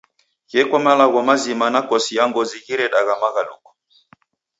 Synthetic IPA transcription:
kɛkwamalaɣɔmazimanakɔsijaŋɡɔziɣiɾɛɗaɣamaɣalṵkɔ̥

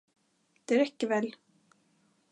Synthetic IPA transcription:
d̪̥ɛɾɛcːɪvɛl

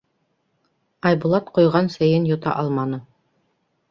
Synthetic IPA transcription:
ɑjbulˠɑt̪qŏjʁɑnsæjɘnjŏt̪ɑ̰ʔɑlˠmɑnɤ

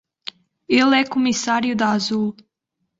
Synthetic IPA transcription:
elɛkomisaɾjʊd̪aazulˠ

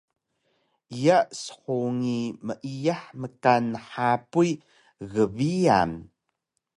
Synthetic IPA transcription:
ijaʔsə̥ħuŋiməʔijaħməkanəħapuj | ɣəβia̰n

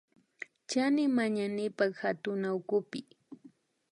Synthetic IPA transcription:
t͡ʃanɪmaɲanɪpakhat̪ʊnaʊkʊpɪ

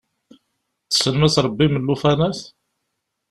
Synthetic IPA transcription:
θə̥səlmæsɾˤbːiməlːufænæθ

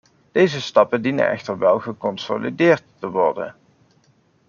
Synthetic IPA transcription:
d̥ejzəstɑpəndinə̰nɛ̰χtəɹʋɛlˠχəkɔnso̰lidɪːɹtːəʋɔɹdə̰n

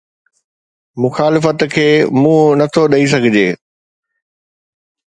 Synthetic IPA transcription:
mʊxaːlɪfət̪kʰeːmũːnɐt̪ʰoɗɐis̬ɐɡʱɪd͡ʑeː

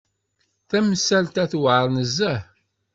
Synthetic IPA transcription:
θæmsælt̪æθwʕɾˤnəzːæħ

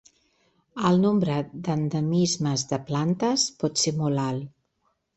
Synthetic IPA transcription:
əlˠnombɾəd̪ənd̪əmizməzðəplant̪əspɔt̪semɔlalˠ

